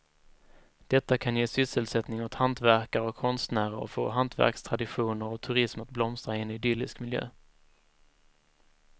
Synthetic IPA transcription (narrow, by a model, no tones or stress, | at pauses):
d̪̥ɛt̪ːakʰanjeːsʏsːəlsɛt̪nɪŋɔt̪hant̪væɾkaɾɔkʰːɔnst̪næːɾəɾɔ̰fo̰ːɦant̪væ̰ɾkst̪ʰɾad̪ɪɧuːnəɾɔt̪ʰɵɾɪsmat̪̚blɔmst̪ɾaɪɛnɪd̪ʏlɪskmɪljø̰ː